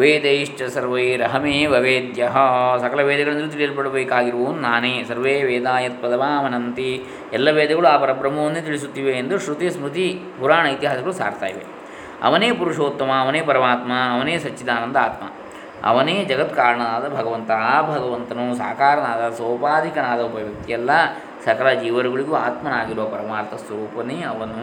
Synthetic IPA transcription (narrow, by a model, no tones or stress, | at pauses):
ʋeːd̪ɐiʂʈɐsɐɾʋɐjɾɐɦɐmeːʋɐʋeːd̪jɐɦɐsɐkɐlɐʋɛːd̪ɐɡɐɭɐnd̪ɐlit̪iɭijɐlpɐɽɐbeːkaːɡiɾɐʋoːnnaːneːsɐɾʋeːʋeːd̪aːjɐt̪̚pɐd̪ɐʋaːɐʋɐnɐnt̪i | ɛlːɐʋeːd̪ɐɡɐɭuaːpɐɾɐbɾɐmɐʋɐnːut̪̬iɭis̬ut̪ːiːʋeːnd̪uʃɾut̪ismɾut̪i | puɾaːɳɐit̪iɦaːsɐɡɐɭusa̰ːɾt̪a̰ːjḭʋḛ | ɐ̰ʋɐneːpuɾuʂoːt̪ːɐmɐːʋɐneːpɐɾɐmaːt̪mɐɐʋɐneːsɐt͡ʃːid̪aːnɐnd̪ɐaːt̪mɐ̰ | ɐ̰ʋɐneːd͡ʒɐɡɐt̪kaːɾɐɳɐnaːd̪ɐbʱɐɡɐʋɐnt̪ɐaːbʱɐɡɐʋɐnt̪ɐnusa̰ːkaːɾɐnaːd̪ɐsɐwpaːd̪ʱikɐnaːd̪ɐupɐʋjɐk̚t̪ijɛlːɐ | sɐkɐlɐd͡ʒiːʋɐɾuɡɐɭiɡuaːt̪mɐnaːɡiɾuʋɐpɐɾɐmaːɾt̪ʰɐsʋɐɾuːpɐneɐʋɐnu